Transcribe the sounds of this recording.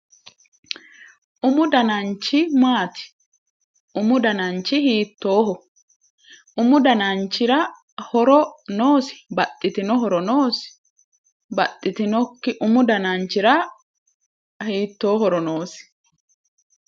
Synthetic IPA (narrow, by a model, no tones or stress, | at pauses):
ʔʊmʊd̪ɐnɐnt͡ʃːɪmaːt̪ɪ̥ | ʔʊmʊd̪ɐnɐnt͡ʃːɪhiːt̪ːo̞ːɦɔ | ʔʊmʊd̪ɐnant͡ʃːɪɾɐ | hɔɾɔnoːsɪ̥bɐt̪ʼːɪt̪ɪnɔɦɔɾɔnoːsɪ̥ | bɐt̪ʼːɪt̪ɪnɔkːɪʔʊmʊd̪ɐnant͡ʃːɪɾɐ | hiːt̪ːo̞ːɦɔɾɔnoːsɪ̥